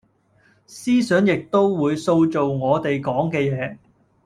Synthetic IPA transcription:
siː˥sœː˨˥ŋjɪ˨k̚t̪o˥wwuː˨˧jso˧wt͡so˨wŋɔː˨˧t̪e˨jkɔː˨˥ŋkɛː˧jɛː˨˧

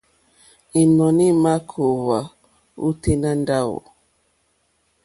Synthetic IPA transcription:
i˨nɔ˨ni˦ma˦kʰo˨wa˨ | ṵ˦te˦na˦nda˦wo̰˨

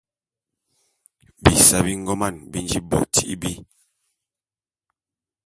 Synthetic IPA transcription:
bi˨sa˦bi˦ŋ̩˦ɡɔ˦ma˦˨nbi˦nd͡ʒi˦bɔ̰˨tʰḭ˦i˦bi˦

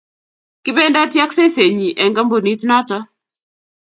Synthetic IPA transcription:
kɪ˦be˦nda˦tja˦kse˦se˨ɲi˨ʔɛ˨ŋɡa˦mbo˨ni˨˦tnɔ˦tɔ˦

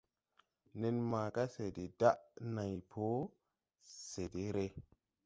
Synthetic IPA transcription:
ne˦nmaː˨ka˦se˨di˨da˦ʔna˨jpʰo˦ | se˨di˦ɾe˦

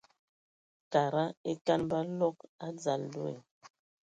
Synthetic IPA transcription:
ta˨ɾa˦e˦ka˦nba˦lɔ˦ka˦d͡za˨ldu˦ḛ˨

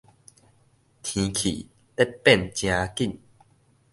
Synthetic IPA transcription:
t̪ʰĩ˨˧kʰḭ˨ | t̪e˦pːe˥˨nt͡ɕjã˧ki˥˨n

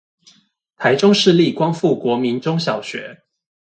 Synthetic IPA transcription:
t̪ʰa˨˦ɪʈ͡ʂʊ˥˦ŋʂɻ̩˥˧li˥˨kwɑ˦ŋfu˥˨˩kwɔ˨˥mi˨˦nʈ͡ʂʊ˥ŋɕjɑ˨˩ʊɕɥɛ˨˦

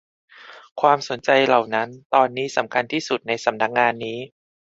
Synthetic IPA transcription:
kʰwaː˧mso˩˦nt͡ɕa˧jla˨˩wna˦˥nt̪ɔː˧nːiː˦˥sa˩˦mkʰa˧nt̪ʰiː˥˩su˨˩t̪̚na˧jsa˩˦mna˦˥k̚ŋaː˧nːiː˦˥

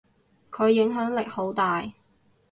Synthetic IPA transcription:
kʰɵ˨˧ɥːɪ˨˥ŋɦœː˨˥ŋlɪ˨k̚ho˨˥wt̪aː˨j

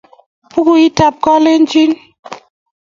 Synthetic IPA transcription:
pu˦ku˨i˦ta˨p̚kɔ˦le˦n̩˦d͡ʒi˦n

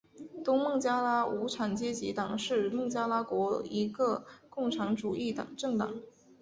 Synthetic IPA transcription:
t̪ʊ˥ŋmɤ˥˩ŋt͡ɕja˥la˥u˧˥ʈ͡ʂʰa˨˩nt͡ɕjɛ˥t͡ɕḭ˧˥t̪ɑ˨˩ŋʂɻ̩˥˩mɤ˥˩ŋt͡ɕja˥la˥kwɔ˧˥i˧˥ɡə˥˧kʊ˥˩ŋʈ͡ʂʰɑ˧˥ŋʈ͡ʂu˨˩ʔi˥˩t̪ɑ̰˨˩ŋʈ͡ʂɤ˥˩ŋt̪ɑ̰˨˩˦ŋ

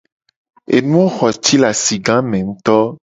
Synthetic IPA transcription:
ḛ˨nũ˦o˦xɔ˨t͡ʃi˦la˨si˨ɡã˦mẽ˨ŋũ˦t̪ɔ˦

